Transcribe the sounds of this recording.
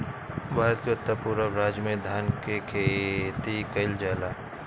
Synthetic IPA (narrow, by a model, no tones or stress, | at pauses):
bʱaːɾət̪̚keʊt̪ːəpuːɾəbɾaːd͡ʒmẽd̪ʱaːnkekʰet̪ikəɪld͡ʒaːlaː